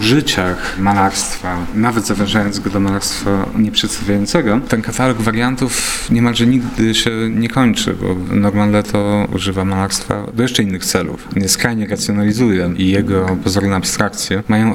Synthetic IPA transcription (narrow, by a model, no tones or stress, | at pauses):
uʐɘt͡ɕaxmalaɾst̪fanavɛt̪zavʲɛ̃ʐajɔnzɡɔd̪ɔmalaɾst̪faɲɛpʂɛt̪st̪avʲjajɔnt̪sɛɡɔt̪ɛnkat̪alɔɡvaɾjant̪ufɲɛmalʐɛɲiɡd̪ɘɕɛɲɛkɔɲt͡ʂɘ̰bɔ̰nɔɾmanlɛt̪ʰɔṵʐɘvamalaɾst̪fa̰d̪ɔjɛʂt͡ʂɛinːɘxt̪sɛlṵfɲɛskɾajɲɛɾat̪sʲjɔnalʲizujɛijɛɡɔpɔzɔɾnɛapst̪ɾakt̪sʲjɛmajɔ̃w̃